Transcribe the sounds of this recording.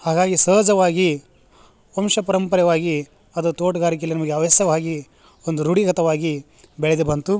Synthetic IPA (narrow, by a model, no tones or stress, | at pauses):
haːɡaːɡisəːd͡ʒɐʋaːɡi | omʃɐpɐɾɐmpɐɾjɐʋaːɡi | ɐd̪ut̪oːʈɐɡaːɾik̬ejɐlinɐmɐɡeɐʋɐsjɐʋaːɡi | ond̪uɾuɽiɡɐt̪ɐʋaːɡi | beɭed̪ebɐnt̪u